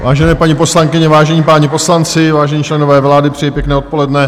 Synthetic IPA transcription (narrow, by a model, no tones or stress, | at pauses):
vaːʒɛnɛːpaɲipo̞slaŋkɪɲɛvaːʒɛɲipaːɲɛpo̞slant͡sɪvaːʒɛɲiːt͡ʃlɛnovɛːvlaːdɪpr̥ɪjɛjpjɛknɛːot̪po̞lɛdnɛ